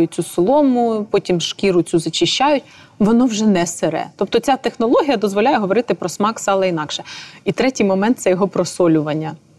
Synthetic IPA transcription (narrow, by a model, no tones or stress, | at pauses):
jʊt͡sʲusɔlˠɔmʊpɔtʲimʃkʲiɾʊt͡sʲuzɐt͡ʃɪʃʲt͡ʃːajʊtʲ | ʋɔnɔwʒɛnɛseɾɛ̰t̪ɔp̚t̪ɔt͡sʲat̪exnɔlˠɔɦʲijɐd̪ɔzʋɔlʲajɛɦɔʋɔɾɪt̪ɪpɾɔsmɑksɑlˠɛinɑkʃɛit̪ɾɛtʲijmɔmɛnt̪sɛjɔɦɔpɾɔsɔlʲʊʋɐnʲːɐ